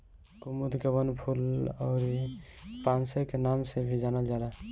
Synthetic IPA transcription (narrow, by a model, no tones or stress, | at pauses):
kumud̪kebənpʰulɔːɾ | paːnsekenaːmsebʱid͡ʒaːnəld͡ʒaːla